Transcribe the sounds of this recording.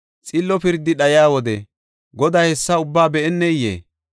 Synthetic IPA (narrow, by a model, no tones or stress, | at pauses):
t͡sʼɪlːɔpɪɾd̪ːɪɗɐjaːwɔd̪ɛ | ɡɔd̪aːhɛsːɐʊbːaːbɛʔɛnːɛjḛː